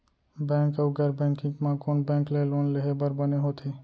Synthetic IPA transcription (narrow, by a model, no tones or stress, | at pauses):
bɛ̃ːŋkəɡəɾbɛ̃ːŋkɪ̃ŋɡmãkoːnbɛ̃ːŋkleloːnleɦebəɾbəneɦoːt̪ʰeː